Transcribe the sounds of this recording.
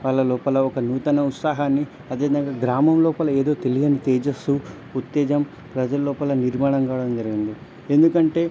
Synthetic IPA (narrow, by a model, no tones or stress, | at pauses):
ʋaːɭːɐlɔːpɐlɐɔkɐnuːt̪ɐnɐut̪saːɦaːnːi | ɐd̪eːd̪ɐŋɡaːɡɾaːmɐmlɔːpɐlɐeːd̪oːt̪elijɐnit̪ɛːd͡ʒɐsu | ut̪ːɛːd͡ʒɐm | pɾɐd͡ʒɐlɐlːɔːpɐlɐniɾmaːɳɐŋkaːʋɐɽɐmd͡ʒɐɾiɡind̪i | end̪ukɐɳʈe̞ː